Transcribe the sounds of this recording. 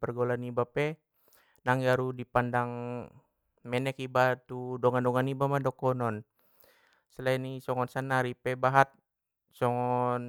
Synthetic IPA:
pərɡolanibapɛ | naŋjaɾudipandaŋ | mɛnɛkibat̪udɔŋandɔŋanibamadɔkɔnɔn | səlainisɔŋɔnsanaɾipɛbaɦat̪̚ | sɔŋɔn

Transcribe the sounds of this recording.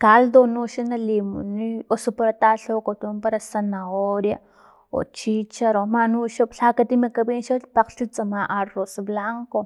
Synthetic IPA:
kald̪onuʃanalimṵniosopaɾat̪aːɬokot̪umpaɾasanaoɾja̰ | o̰t͡ʃit͡ʃaɾomanuʃopɬakat̪imakabinʃopaqɬt͡ʃut͡samaʔarosblaŋko

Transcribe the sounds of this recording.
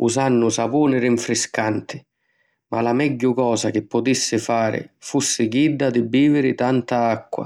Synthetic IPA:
ṵzanːʊsapuːnɪɾɪɱfɾɪskant̪ɪ̥ | malamɛɟːʊkɔːsak̟ɪpːʊt̪isːɪfaːɾɪ̰fusːɪɡid̪ːad̪ɪbːiːvɪɾɪt̪ant̪aakːwa̰

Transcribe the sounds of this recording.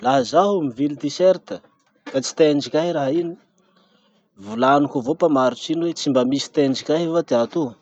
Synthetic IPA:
laɦazaɦumivilid̪iseɾt̪ə | kat͡si̥t̪eɳɖ͡ʐikʲaɦiɾaɦini̥ | vulanukovopamaɾuʈ͡ʂiniwet͡simbamisi̥t̪eɳd͡ʒikʲaɦvad̪eat̪u

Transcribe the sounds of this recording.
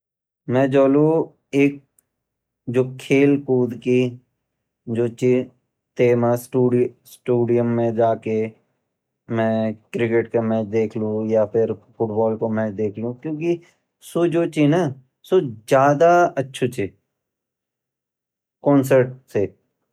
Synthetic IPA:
mɛ̃ːd͡ʒoːlo | eːk̚ | d͡ʒoːkʰeːlkuːd̪ki | d͡ʒoːt͡ʃi | t̪eːmasʈuːɖsʈuːɖijəmːẽd͡ʒaːke | mɛ̃ːkɾɪkeʈkemɛ̃ːt͡ʃd̪eːkʰlũjapʰɪɾpʰʊʈbɔːlkomɛ̃ːd̪eːkʰliũkjõːki | sod͡ʒoːt͡ʃina | sod͡ʒjaːd̪aɐtːʃʰot͡ʃʰi | kɔ̃ːnsəɾʈse

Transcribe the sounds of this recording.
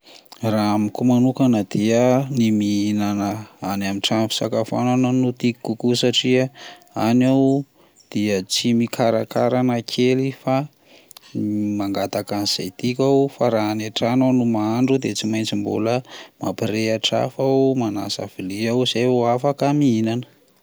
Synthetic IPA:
raamikumanukanəd̪̥iənimiinanəanamiʈ͡ʂamfi̥sa̰kafa̰nanənut̪ikkukusaʈ͡ʂia | anaw | d̪̥iət͡simikʰaɾa̰kaɾanakʰelifa | maŋɡat̪akaniz̥a̰jt̪ikʲawfaɾaːnaʈ͡ʂananumaaɳɖ͡ʐud̪et͡simajnt͡simbṵləma̰piɾeaʈ͡ʂa̰fawmana̰sa̰v̥iliawz̥ajoafakəmiinanə̥

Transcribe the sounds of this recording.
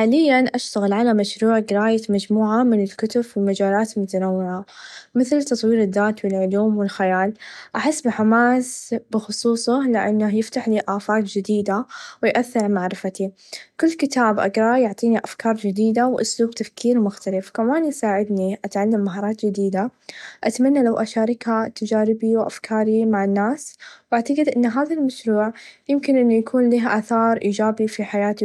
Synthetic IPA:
ħaːlɪjːanʔaʃt̪aɣɪlʕalamaʃɾuːʕɡɪɾaːjamad͡ʒmuːʕamɪnɪlkʊt̪ʊbwɪlmad͡ʒaːlaːt̪lmʊt̪anawːɪʕamɪθlt̪ɑt̪ˤwiːɾɪd̪ːaːt̪wɪlʕʊluːmwɪlxajaːlʔaħɪsːbɪħamaːsbɪxʊsˤuːsˤɑlɪʔa̰nːajɪft̪aħliʔaːfaːt̪d͡ʒɪd̪iːd̪awɪjʔaθːɪɾmaʕɾɪfat̪i | kʊlːkɪt̪ʰaːbʔa̰ɡɾˤɑjʊʕt̪ˤiːniʔafkɑːɾˤd͡ʒɪd̪iːd̪awʔʊ̰sluːbt̪afkiːɾmʊxt̪alɪfkamaːnjsaːʕɪd̪niʔat̪ʕalːamːaɦɑːɾˤɑːt̪d͡ʒɪd̪iːd̪aʔat̪manːalawʔaʃaːɾˤɪkhat̪ad͡ʒaːɾɪbiwʔa̰fkʰɑːɾimaʕanːaːswʔaʕt̪aɡɪd̪ʔɪnːɦaːðalmaʃɾuːʕjɪmkɪnʔɪnːujakʰuːnliɦʔaːθɑːɾˤʔiːd͡ʒaːbifiħajaːt̪i

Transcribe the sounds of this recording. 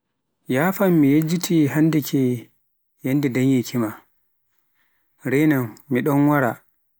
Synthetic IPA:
jaːfamːijed͡ʒːitʰiɦandikʰi | jandidanjɛkʰima | ɾɛnamːiɗɔnwaɾa

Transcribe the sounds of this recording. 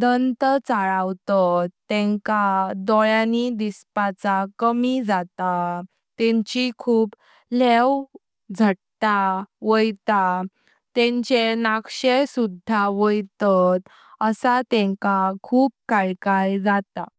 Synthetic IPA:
d̪ənt̪ət͡saɭawt̪ət̪ːɛ̃ŋkad̪ɔɭjãnid̪ispat͡sakəmid͡zat̪a | t̪ɛ̃ɲt͡ɕikʰuːp | lew | d͡zʱəʈt̪aʋəjt̪a | t̪ɛ̃ɲt͡ɕenakɕesud̪ʱaʋəjt̪ət̪ | əsat̪ɛ̃ŋkakʰuːp̚kaɭkajd͡zat̪a

